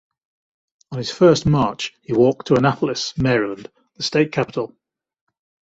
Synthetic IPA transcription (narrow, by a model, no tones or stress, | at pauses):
ə̃nɪz̥fɜˑsmɑˑt͡ʃhiwɔˑk̚tʰəənapʰəlɪsmɛːɹɪlə̃nd | ðəsteɪʔ̚kʰapɪtʰˡəlˠ